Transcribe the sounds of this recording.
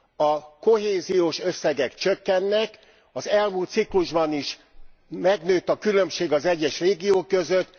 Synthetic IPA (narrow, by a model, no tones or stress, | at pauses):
ɒko̞ɦeːzijoːʃø̞sːɛɡɛkt͡ʃøkːɛnːɛk | ɒzɛlmuːlt̪sikluʒbɒniʃmɛɡnøːt̪ːɒkylø̞mʃeːɡɒzɛɟːɛʃreːɡijoːkːøzøt̪ː